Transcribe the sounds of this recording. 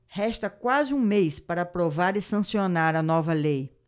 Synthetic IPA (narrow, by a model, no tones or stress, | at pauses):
hɛʃt̪ɐkwazɪũmejspaɾɐpɾovaɾɪsɐ̃sionaɾɐnɔvɐlej